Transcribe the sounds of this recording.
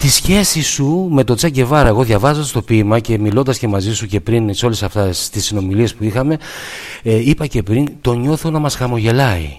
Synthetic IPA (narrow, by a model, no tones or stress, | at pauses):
t̪isçe̞sisume̞t̪o̞t͡sɐɟe̞vɐɾɐe̞ɣo̞ðʝɐvɐzoɐst̪o̞pimɐce̞milo̞nd̪ɐsce̞mɐzisuce̞pɾinso̞lesɐft̪est̪isino̞milie̞spuixɐme̞ | ipɐce̞pɾint̪o̞ɲo̞θonɐmɐsxɐmo̞ʝe̞lɐḭ